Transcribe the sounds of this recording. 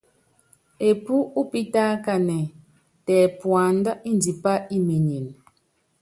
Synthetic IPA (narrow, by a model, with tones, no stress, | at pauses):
e˨pu˦u˦pi˦ta˦ka˨nɛ˨ | tɛ˨pwa˨n˦da˦i˦n˨di˨pa˦i˦mi˨ɲi˨n